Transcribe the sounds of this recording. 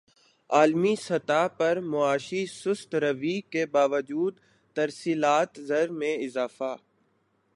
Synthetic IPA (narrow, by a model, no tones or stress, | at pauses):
aːlmisɐt̪aːpɐɾmʊaːʃisʊst̪ɾəʋikebaːʋəd͡ʒuːd̪ | t̪ɐɾsiːlaːt̪zɐɾmẽɪzaːfaː